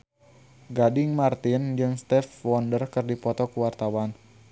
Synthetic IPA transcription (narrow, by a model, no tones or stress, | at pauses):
ɡadɪŋmart̪ɪnd͡ʒɨŋst̪ɛfwɔndərkɨrdipɔt̪ɔkuwart̪awan